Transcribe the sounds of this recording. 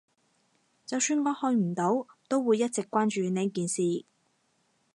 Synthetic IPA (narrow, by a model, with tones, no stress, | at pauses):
t͡sɐ˨wsyː˧nŋɔː˨˧hɵ˧ɥm̩˨˩t̪o˨˥wt̪o˥wwuː˨˧jɐ˥t̚t͡sɪ˨kːʷaː˥nt͡ʃyː˨˧nɛː˨˥kiː˨nsiː˨